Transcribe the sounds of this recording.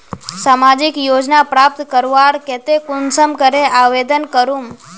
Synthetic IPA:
samad͡ʒɪkjod͡ʒnapɾap̚t̪kəɾʋaɾkɛt̪ekʊnsəmkəɾeʔaʋed̪ənkəɾum

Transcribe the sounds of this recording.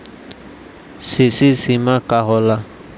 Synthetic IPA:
sisisimãkaɦɔla

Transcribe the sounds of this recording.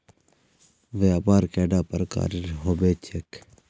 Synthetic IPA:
ʋeaːpaːɾkeːɖaːpɐɾka̰ːɾiɾɦobeːt͡ʃʰek

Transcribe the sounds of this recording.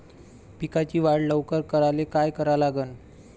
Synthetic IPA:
pikat͡ɕiːʋaɽləʋkəɾkəɾalekajkəɾalaɡən

